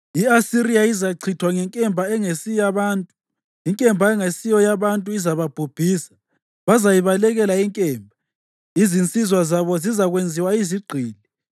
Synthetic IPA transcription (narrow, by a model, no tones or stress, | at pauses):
iasiɾiaizaǀʰitʰwaŋɛŋkʼɛmbʱaɛŋesijaβaːntʼu | iŋkʼɛmbʱaɛŋesijɔjaβantʼuizaβab̥ʱub̥ʱiːsḁ | βazajiβalɛɣɛlaiŋkʼɛːmbʱa | izint͡sʼizwazaβɔzizaɣwend͡zʱiwaiziɡ͡ǀʱiːli